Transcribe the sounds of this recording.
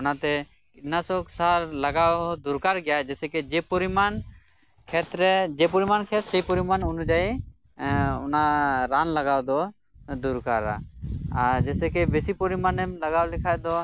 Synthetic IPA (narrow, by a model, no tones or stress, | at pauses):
unat̪ɛ | inasɔksaɾlaɡawd̪uɾkaɾɡɛjad͡ʒɛsɛkɛd͡ʒɛpɔɾiman | kʰɛt̪ɾɛd͡ʒɛpɔɾimankʰɛt̪sejpɔɾimanunud͡ʒaj | ɔ̰naɾanlaɡawd̪ɔ | d̪uɾkaɾa̰aɾd͡ʒɛsɛkɛbesipɔɾimanɛmlaɡawlɛkʰajd̪ɔ